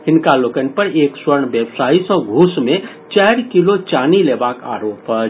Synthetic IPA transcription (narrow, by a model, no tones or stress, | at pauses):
hɪnkalokənpəɾeːkswəɾɳbjebsaːisə̃ɡʱusme | t͡ʃɛɪɾkilot͡ʃanilebaːka̰ːɾoːpɦə